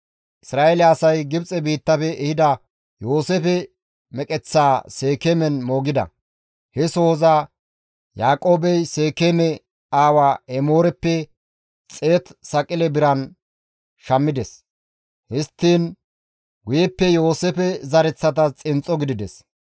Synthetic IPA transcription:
ʔɪsɾaːʔelɛɐsɐjɡɪbt͡sʼɛbiːt̪ːɐpɛʔɛhɪd̪ɐ | jo̞ːsefɛ | mɛkʼɛt͡sːaːse̞ːkeːmɛnmo̞ːɡɪd̪ɐ̰ | hɛso̞ːza | jaːkʼo̞ːbɛjse̞ːkemɛ | aːwaːɛmoːɾɛpːɛ | t͡sʼe̞ːt̪sɐkʼɪlɛbɪɾɐn | ʃɐmːɪd̪ɛs | hɪst̪ːiːn | wʊjɛpːɛjo̞ːsɛpɛzɐɾɛt͡sːɐt̪̬ɐt͡sʼɪnt͡sʼːɔɡɪd̪ɪd̪ɛs

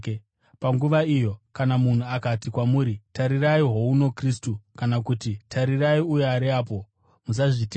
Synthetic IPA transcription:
paŋɡuʋaijo̞kanamun̤uakatikwamuːɾitaɾiraiɦouno̞kristukanakutitʰaɾiraiujeaɾiaːp̬o̞ | mus̬aʐite

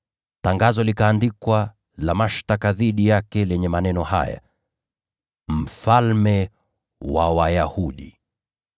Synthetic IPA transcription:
taŋɡazɔlikaːndikwa | lamaʃtakaðiɗijakɛlɛɲɛmanɛnɔha̰ja̰ | m̩falmɛ | wawajahuɗi

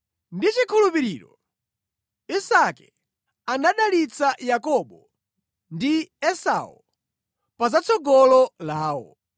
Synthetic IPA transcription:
ndit͡ʃikʰulupiɾiːɾɔ | isakɛ | anaɗalit͡sajakɔɓɔ | ndiɛsa̰ɔ̰ | pazat͡sʰɔɡɔlɔlaːwɔ̰

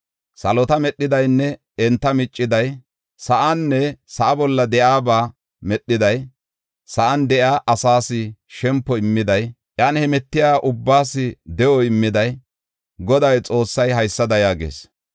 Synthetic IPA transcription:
sɐlɔt̪ɐmɛɗːɪd̪ɐjnːɛ | ɛnt̪ːɐmɪt͡ʃʼːɪd̪ɐj | sɐʔɐnːɛsɐʔɐbɔlːɐd̪ɛʔaːbaː | mɛɗːɪd̪ɐj | sɐʔɐnd̪ɛʔjaːʔɐsaːsɪʃɛmpːɔɪmːɪd̪ɐj | ʔɐnhɛmɛt̪ːɪjaːʔʊbːaːsːɪd̪ɛʔɔɪmːɪd̪ɐj | ɡɔd̪ɐjt͡sʼo̞ːsːɐjɦɐjsːɐd̪ɐjaːɡḛːs

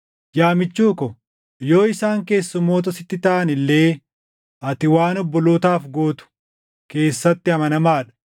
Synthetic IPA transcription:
jaːmɪt͡ʃːuːkɔ | jo̞ːɪsaːŋke̞ːsːʊmːoːt̪ɐsɪt̪ːɪt̪aʔɐnɪlːe̞ː | ʔɐt̪ɪwaːnɔbːɔloːt̪aːfɡoːt̪ʊ̥ | ke̞ːsːɐt̪ːɪɐmɐnɐmaːᶑɐ̥

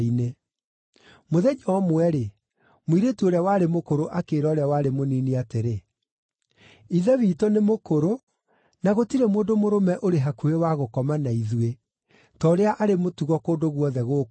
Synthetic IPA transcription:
ine | moðɛd͡ʒɔɔmwɛɾe | moiɾetuoɾeawaɾemokoɾoʔakeːɾɔːɾeawaɾemoniniateɾe | iðɛviːtɔnemokoɾo | naɣotiɾemoːndomoɾomɛʔoɾeɦakuewaɣokɔmanaiðue | tɔɾeaʔaɾemotuɣɔkoːndoɣwɔðɛɣo

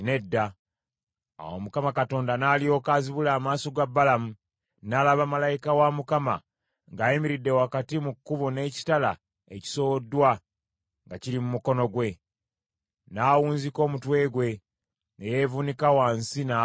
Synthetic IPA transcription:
ne̞dːa | a̰womukamakato̞ːndanaːlio̞ːkaːziβulaːmaːso̞ɡabːalamu | nalaβamalajikawamukama̰ | ŋɡaːjimiɾidːewakatimukːuβone̞ːci̥tala̰ | ḛci̥sodːwa | ŋɡacilimumuko̞no̞ɡwe̞ | naːwuːnziko̞ːmutwe̞ːɡwe̞ | ne̞je̞vunikawaːnsina

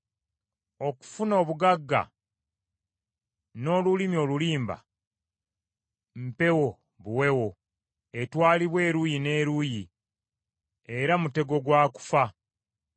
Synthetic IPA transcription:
o̞ku̥funoːβuɡaɡːa̰ | no̞ːlulimio̞luliːmba̰ | m̩pe̞wo̞ | βuwe̞wo̞ | e̞twaːliβwe̞ːɾujine̞ːɾuji | e̞ɾamute̞ɡo̞ɡwaːku̥fa

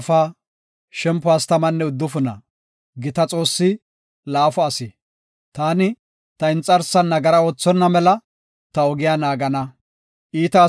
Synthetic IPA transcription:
faː | ʃɛmpːʊast̪ɐmɐnːɛʊd̪ːʊfʊnɐ̰ | ɡɪt̪ɐt͡sʼo̞ːsːɪ | laːfɔɐsɪ | t̪aːnɪ | t̪ɐɪnt͡sʼːɐɾsːɐnːɐɡɐɾɐo̞ːt͡sːɔnːɐmɛlɐ | t̪ɐɔɡɪjaːnaːɡɐnɐ | ʔiːt̪ɐ

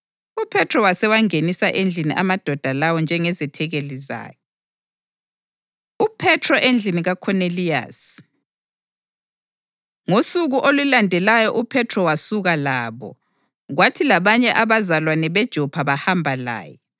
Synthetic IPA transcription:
upʰɛtʰrɔwasɛwaŋenisaʔend͡ɮʱiniʔamad̥ʱɔd̥ʱalawɔnd͡ʒʱɛŋɛzɛtʰɛɣeliza̰ːjɛ | upʰɛtʰrɔʔend͡ɮʱiniɣakʰɔnelia̰s | ŋosuɣuʔolulandʱɛlajɔʔupʰɛtʰrɔwasuɣalaːβɔ̰ | ɣwatʰilaβaɲɛʔaβazalwanɛβɛd̥ʒ̥ʱɔpʰaβahambʱala̰ːjɛ

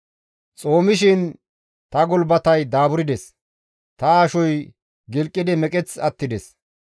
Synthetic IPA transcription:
t͡sʼo̞ːmɪʃ̬ɪn | t̪ɐɡɔlbɐt̪ɐjd̪aːbʊɾɪd̪ɛs | t̪ɐaːʃɔj | ɡɪlkʼːɪd̪ɪmɛkʼɛt͡sɐt̪ːɪd̪ɛs

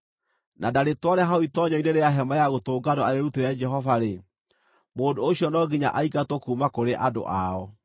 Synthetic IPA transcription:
nʔadaɾetwaɾɛɦaoitɔɲɔineɾeaɦɛmajaɣotoːɡadɔaɾeɾuteɾɛd͡ʒɛɦɔvaɾe | moːndooɕjɔnɔɡiɲa̰ʔaiɡatokuːmakoɾeʔado̰ʔaɔ

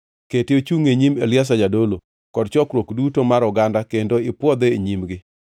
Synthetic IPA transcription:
ketɪot͡ʃuŋeɲimḛlɪas̬ad͡ʒadolo | kɔdt͡ʃɔkɾwokdutomaɾʊɡandakendoɪpwɔd̪eeɲimɡɪ

